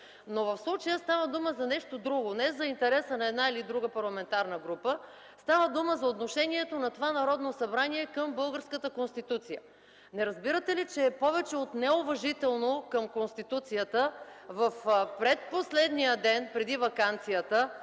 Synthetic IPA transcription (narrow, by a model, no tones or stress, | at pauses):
novɐfslˠut͡ʃəjəst̪avəd̪uməzɐnɛʃt̪od̪ɾuɡonɛzɐint̪ɛɾɛsənɐɛd̪nailid̪ɾuɡəpɐɾlˠɐmɛnt̪aɾnəɡɾupə | st̪avəd̪uməzɐot̪noʃɛniɛt̪onɐt̪ovanɐɾɔd̪nosɐbɾaniɛkəmbɤlˠɡəɾskət̪əkonst̪it̪ut̪sijə̰ | nɛɾɐzbiɾət̪ɛlit͡ʃɛpɔvɛt͡ʃɛot̪nɛʊvɐʒit̪ɛlˠnokəmkonst̪it̪ut̪sijət̪əvəfpɾɛt̪̚poslɛd̪nijəd̪ɛnpɾɛd̪ivɐkant̪sijət̪ə